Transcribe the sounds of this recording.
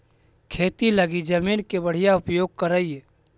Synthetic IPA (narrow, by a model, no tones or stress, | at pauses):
kʰeːt̪iləɡid͡ʒəmiːnkebəɽ̤ijaʊpjoːɡ̚kəɾəie